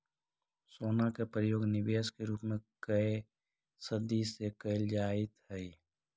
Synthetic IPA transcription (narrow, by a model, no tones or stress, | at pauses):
soːnakepɾəjoːɡnɪbeːskeɾuːpmẽkə | səd̪isekəɪld͡ʒaːɪt̪ɦɛi